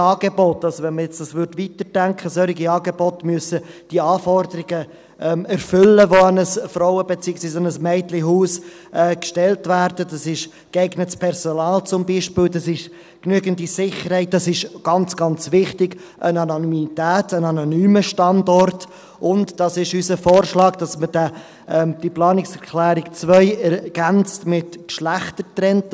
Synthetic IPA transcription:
ɑːɡ̥ebɔtːɑlzovɛnməjɛt͡sd̥ɑsʋʏɾdʋitərdæŋkχəsœɾɪɡiɑːɡebɔtmyəsəd̥iəɑːfɔrdəɾɪɡə | ʔɛːmæɾfʏlːəʋoanəsfɾɔʊəbet͡siːəksviːsanəsmɛɪtliɦuːs | ʔɛːkʃtɛltvæːɾd̥əd̥ɑsɪʃ | kɛɪɡnətspʰɛɾsonɑːlt͡sʊmbiːʃpɪːldɑsɪʃ | knyəɡəndisɪχəɾhɛɪt̚d̥ɑsɪʃɡ̥ɑnt͡sɡ̥ɑnt͡sʋɪχtɪɡ | ʔənɑnonymitæːtənɑnonyːməʃtɑndɔrt | ʔʊntd̥ɑsɪʃysəfoːɾʃlɑːɡd̥ɑsmədə | ʔɛd̥iplɑːnɪksɛɾkʰlæːɾɪkt͡svœʏɛɾɡ̥ænt͡stmɪtkʃlæχtətɾɛnt

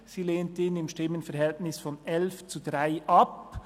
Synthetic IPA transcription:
siːleːntəiːnɪmʃtɪmənfɛɐhɛltnɪsfɔnɛlft͡sudʁaɪʔɑp̚

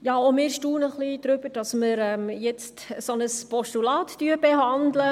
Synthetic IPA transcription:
jɑːomɪːɾʃtuːnəχlid̥ɾʏbəd̥ɑsməɾɛmjɛt͡stsɔnəspɔʃtulɑːttyəbɛɦɑndlə

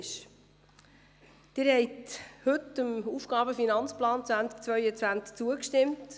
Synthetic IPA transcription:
ʃ | d̥ɪɾhɛɪthɵtəmuːfɡ̥ɑːbəfinɑnt͡splɑːnt͡svæntk̚t͡svœʏət͡sʋænt͡sk̚t͡suəkʃtɪmt

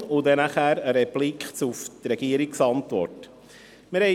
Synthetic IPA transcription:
ʊd̪ɛnaχæːɾəɾɛplikχt͡suft̪ɾɛɡiəɾiksɑntʋɔ̰ɾt | mɪɾhɛ

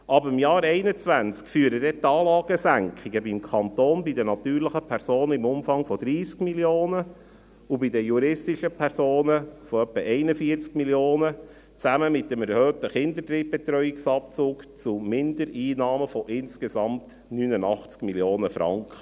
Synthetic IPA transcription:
ʔɑbəɾɪmjɑːɾɛɪnət͡sʋænt͡skfyːəɾədɛt̪ɑːlɑːɡ̥əsæŋkʰiɡəbimkʰɑnt̪oːnbidənɑt̪yːɾləχəpʰɛɾsoːnəɪmʊmfɑŋfɔd̥̪ɾiːskmiljoːnə | ubidəjuɾɪstiʃəpʰɛɾsoːnəfɔœpːəʔɛɪnəfiəɾt͡skmiljoːnə | t͡sæməmɪt̚dəmɛɾhøːt̪əχɪnd̪ətɾiːb̚b̥ɛt̪ɾœʏiksɑp̚t͡suːkt͡sumɪnd̥̪əɾiːnɑːməfɔʔɪnskesɑmt | nyːnənɑχt͡skmiljoːnəfɾɑ̰ŋkχə

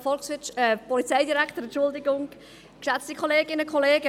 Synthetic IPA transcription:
fɔlksʋɪt͡ʃɛpʰɔlit͡sɛɪdiɾɛktəɾɛnt͡ʃʃʊldɪɡʊŋ | kʃat͡stikʰoleːɡɪnəkʰɔleːɡə

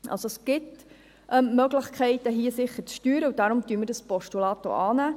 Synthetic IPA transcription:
ʔɑ̰lsoɛsɡ̥ɪt | ʔœmmœɡlɪχkʰχɛɪtəɦiəsɪχːət͡sʃtyːɾəud̥ɑɾʊmt̪yəməɾdəspɔʃtulɑːto̰ʔɑːnæː

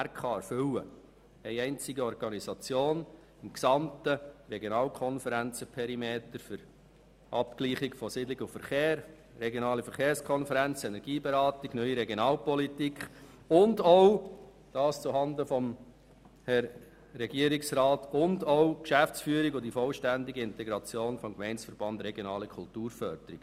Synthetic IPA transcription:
æɾkχɑæfʏwə̰ | ɛɪɛɪnt͡sɪɡəɔɾɡ̥ɑnisɑt͡sjoːn | ɪmksɑmtəɾɛɡjonɑːlkʰɔnfəɾænt͡səpʰɛɾimeːt̪əɾfʏɾ | ʔɑ̰pkliːχɪkfɔsɪdlɪɡʊfəɾχeːɾː | ɛɡjonɑːlifəɾχeːɾskχɔnfəɾænt͡sɛnɛɾɡ̥iːbeɾɑːtɪɡ̥nœʏiɾɛɡjonɑːlpɔlitikχ | ʊndoʊ | d̥ɑːst͡suɦɑndəfɔm | hɛɾ | ɾɛɡiːəɾiksɾɑːtʰʊndoʊkʃæft͡sfyːəɾiɡʊdifɔlʃtændiɡiɪntɛɡɾɑt͡sjoːnfɔmkmɛɪnsfəɾb̥ɑnd̪ɾɛɡjonɑːləkʰʊltuːɾfœɾd̥̪əɾiɡ̥

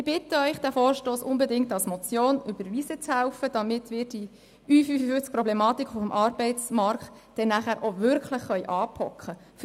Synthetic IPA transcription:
ɪb̥ɪtːəœʏχd̥æːfoːɾʃtoːsʊnbɛdɪŋktɑlsmɔt͡sjoːnʏbəɾʋiːsət͡shæʊfəd̥ɑmɪtmɪːɾd̥i | yːfyːfəfyt͡sk̚prɾɔblɛmɑːt̪ikʰʊfəmʔɑrbɛɪt͡smɑɾktd̥ɛnːæχæːɾʔovʏɾkχʰləχːœʏʔɑːpʰɔkχə | f

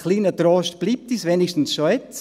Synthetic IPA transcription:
χliːnətɾoːʃtb̥liːp̚t̪isʋenɪʃtn̩sʃoɛt͡s

